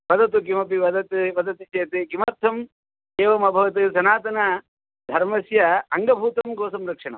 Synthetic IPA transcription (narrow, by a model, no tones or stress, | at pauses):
ʋɐd̪ʱɐt̪̬ukimɐpiʋɐd̪ɐt̪ʋɐd̪ɐt̪it͡ʃeːt̪eɡimaːɾt̪ʰɐm | eːʋɐmɐbʱɐʋɐt̪ɨsɐnaːt̪ɐnɐ | d̪ʱɐɾmɐsjɐɐŋɡɐbʱuːt̪ɐmɡoːsɐmɾɐkʂɐɳɐm